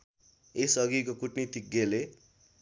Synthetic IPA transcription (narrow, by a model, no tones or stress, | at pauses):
esʌɡikokuʈnit̪ik̚ɡele